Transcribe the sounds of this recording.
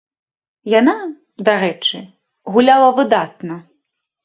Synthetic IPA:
jana | d̪aɾɛt͡ʂɨ | ɣulʲalˠɐvɨd̪at̪nɐ

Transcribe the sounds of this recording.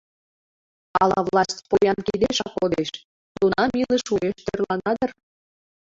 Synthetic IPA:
ɑlɑ̰vlˠɑstʲpojɑnkid̪eʃɑkod̪eʃ | lunɑmilə̆ʃueʃt̪ørlɑnɑd̪ɤ̆r

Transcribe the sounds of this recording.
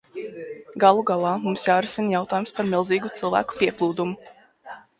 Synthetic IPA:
ɡalˠuɡalˠɑːmumsjaːɾɛsinjawt̪aːjumspaɾmilˠziːɡut̪sɨlˠvæ̰ːku̥piɛklˠuːd̪umu

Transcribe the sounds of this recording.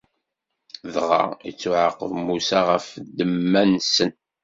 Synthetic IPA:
ðʁɑ̰it͡sːuʕəqːəvmusaʁəfd̪ːəmːænsən

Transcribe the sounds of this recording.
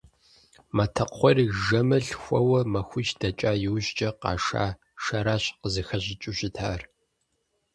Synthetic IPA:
mɐtʰɐqʷɔriʒɐmɐɬxʷɔwɐmɐxʷʊt͡ʃdɐt͡ʃʼaːjɪwʑd͡ʒʼɐqɑ̰ːʂa̰ː | ʃɐɾaːɕqəzɨxɐʑɪt͡ʃʼʊɕɪtʰaːr

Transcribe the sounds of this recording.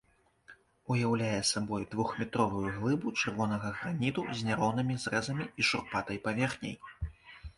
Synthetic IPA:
ujawlʲajɛsabɔjd̪vuxmʲit̪ɾɔvujuɣlˠɨbut͡ʂɨrvɔn̪ɐɣɐɣɾanʲit̪uzʲnʲaɾɔnɨmʲizrɛzɐmʲiiʂurpat̪ɐjpavʲɛrxnʲḛj

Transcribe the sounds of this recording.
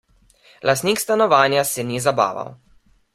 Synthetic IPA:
lʔast̪niːkst̪anɔʋaːnjasɛnizaba̰ːʋa̰w

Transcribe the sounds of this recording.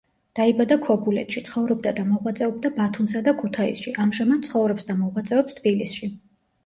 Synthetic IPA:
d̪̥aibad̪akʰɔbulɛ̰t̪ʃit̪sʰχɔvɾɔb̚d̪ad̪amɔʁwat̪sʼɛɔb̚d̪abat̪ʰumsad̪akʰut̪ʰaḭsʃiʔamʒamad̪̥̚sʰχɔvɾɔpsd̪amɔʁwat̪sʼɛɔpst̪ʰbilisʃi

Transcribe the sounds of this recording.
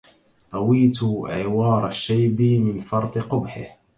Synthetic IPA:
t̪ˤɑwiːt̪ʕɪwɑːɾˤaʃːajbimɪnfɑɾˤt̪ˤɨqʊbħɪ̰h

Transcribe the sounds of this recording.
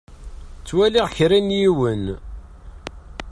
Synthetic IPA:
t͡sːwæliʁçɾænjiwən

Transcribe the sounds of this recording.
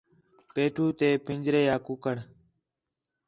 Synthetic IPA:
peːʈʰuːt̪eːpɪnd͡ʒɾeːjaːkʊkəɳ

